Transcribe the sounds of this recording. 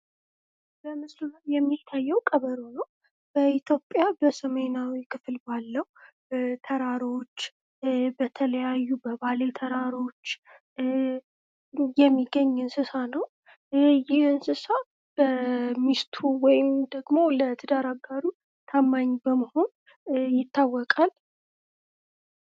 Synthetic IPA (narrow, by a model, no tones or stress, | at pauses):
bəmɨsluajɛmːit̪ʰːajːɛwkʼəβəɾonəw | b̥əit̪ʰjo̞pʼːjabəsəmenawikʰɨflbalːəwu | t̪ʰəɾaɾo̞t͡ʃː | bət̪ʰələjajːubəbale̞t̪ʰəɾaɾo̞t͡ʃː | jɛmːiɡəɲːɨnsɨsanəw | jɪhɨnsɨsa | b̥əmist̪ʰuwɔjɪmd̪əɡmo̞lət̪ʰɨd̪aɾaɡaɾu | t̪ʰamːaɲːbəməho̞n | jɪt̪ʰːawːɔkʼal